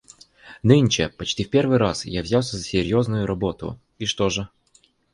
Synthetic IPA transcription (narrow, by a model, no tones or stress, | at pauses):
nɨnʲt͡ɕɪpɐt͡ɕtʲifʲpʲe̞rvɨjɾasjavzʲalˠsʲəzəsʲɪɾʲjo̞znʊjʊɾɐbo̞t̪ʊ̰ | iʂt̪oʐɨ